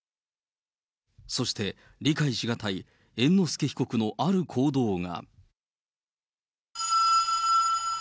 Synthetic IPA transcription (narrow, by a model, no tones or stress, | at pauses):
so̞ɕi̥t̪e̞ | ɾʲikaiɕiɡat̪ai | ẽ̞nːo̞sɨ̥ke̞çi̥ko̞kɯ̟no̞ʔaɾɯ̟kʰo̞ːd̪o̞ːŋa̰